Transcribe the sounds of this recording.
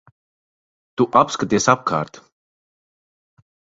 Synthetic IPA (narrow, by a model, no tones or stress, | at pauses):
t̪uʔapskat̪iɛsap̚kʰa̰ːɾt̪